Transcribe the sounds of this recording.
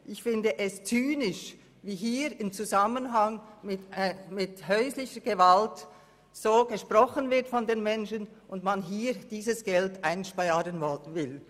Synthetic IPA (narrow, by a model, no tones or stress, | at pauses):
ʔɪçfɪndəʔɛst͡syːnɪʃ | viːɦiːɾɪmt͡suzamənɦaŋmɪtːmɪthœʏslɪçəɡ̥əvalt | z̥oːɡəʃpʁɔχənvɪtfɔndeːnmɛnʃən | ʔʊntmanɦiːd̥iːzəsɡ̥ɛltʔaɪnʃpaɪaːɾənvɔlvɪl